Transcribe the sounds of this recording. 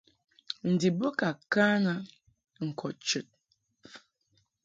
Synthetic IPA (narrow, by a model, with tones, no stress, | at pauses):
n̩˨di˨bo˦ka˨kaː˦ŋa˦ | ŋ̩˨kʰɔ˨t͡ʃə˨t̚